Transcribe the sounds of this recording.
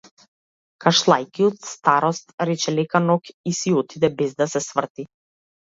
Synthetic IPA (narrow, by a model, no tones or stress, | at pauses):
kaʃlˠajkiɔt̪st̪aɾɔst̪ɾɛt͡ʃɛlɛkanɔkisiɔt̪ʰid̪ɛbɛzd̪asɛsvr̩t̪i